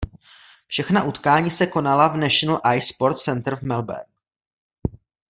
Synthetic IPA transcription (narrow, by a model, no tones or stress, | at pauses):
fʃɛxnaʔut̪kaːɲiːsɛko̞nalavnaʃonl̩ʔajspo̞ɾt̪sɛnt̪ɾ̩vmɛlbɛ̰ɾk